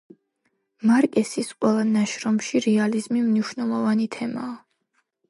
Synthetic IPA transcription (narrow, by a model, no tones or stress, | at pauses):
maɾkʼɛsisqʼwɛlˠanaʃɾɔmʃiɾɛalizmimniʃnɛlˠɔvanit̪ʰɛmaː